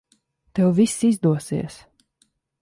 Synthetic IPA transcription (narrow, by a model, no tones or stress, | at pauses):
t̪ɛwvisizd̪uɔsḭɛs